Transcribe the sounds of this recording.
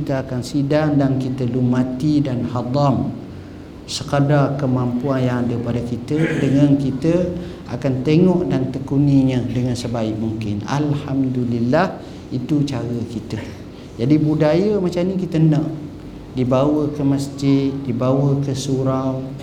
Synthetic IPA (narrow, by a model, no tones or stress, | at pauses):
kit̪əakansidaŋdaŋkit̪əlumãt̪idanhad̪ˤɑm | səkədarkəmampuanjaŋadəpadakit̪ədəŋãnkit̪ə | a̰kant̪eŋɔʔdant̪əkuniɲə̃dəŋansəbaɪʔ̚muŋkɪna̰lhamdulilːah | it̪ut͡ʃaɾəkit̪ə | d͡ʒadibudajəmat͡ʃamnikit̪ənaʔ | dibawəkəməsd͡ʒɪd̚dibawəkəsuɾaw